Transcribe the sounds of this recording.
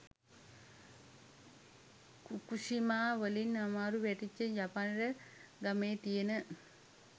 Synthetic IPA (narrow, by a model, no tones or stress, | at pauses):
kukusimaːʋəlinamaːɾuʋæʈit͡ʃːənjapanɾəɡameːt̪ijenə